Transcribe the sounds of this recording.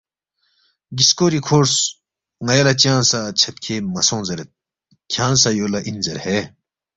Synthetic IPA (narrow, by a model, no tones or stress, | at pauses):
ɡiskoːɾikʰoːɾs | ŋɐjɐlɐt͡ɕjãːnsat͡ɕʰɐt̪̚kʰeːmɐsõːnzɐɾet̪̚ | kʰjãːnsɐjoːlɐʔinzɐɾhe